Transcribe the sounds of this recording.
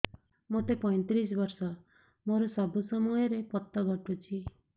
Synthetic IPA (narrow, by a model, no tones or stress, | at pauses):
mot̪epɔj̃t̪ɾis̬bɔɾsɔ | moɾɔsɔbusɔmɔjɔɾepɔt̪ːɔɡʱɔʈut͡ʃʰi